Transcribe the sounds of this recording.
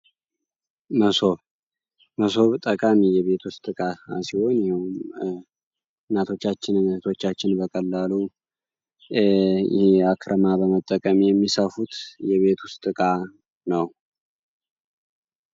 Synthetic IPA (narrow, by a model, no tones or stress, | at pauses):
məso | məso̞βt̪ʼəkʼamijɛβe̞t̪ʰwʊst̪ʼːɨkʼaasiho̞njɛum | nːat̪ʰo̞t͡ʃːat͡ʃːɪnɨnət̪ʰo̞t͡ʃːat͡ʃːɪnbəkʼəlːalu | akʰɾʔəmabəmət̪ʼːəkʼəmijɛmːisəfut̪jɛβe̞t̪ʰwʊst̪ʼɨkʼa | nəw